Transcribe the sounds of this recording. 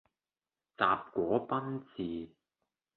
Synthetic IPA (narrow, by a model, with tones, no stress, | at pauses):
t͡saː˨˧p̚kʷɔː˨˥pɐ˥nt͡siː˨